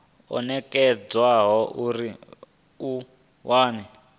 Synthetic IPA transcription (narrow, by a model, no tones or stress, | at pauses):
ɔ̰nɛkɛd͡zwaɦɔʔuɾi | u | wʔaːnɛ